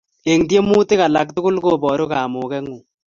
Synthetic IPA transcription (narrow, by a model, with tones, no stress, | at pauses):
e˨ŋdje˦mu˦te˦ka˨la˨k̚tʊ˦kʊ˦lko˨bɔ˨ɾo˦ka˨mo˨kɛ˦ŋu˨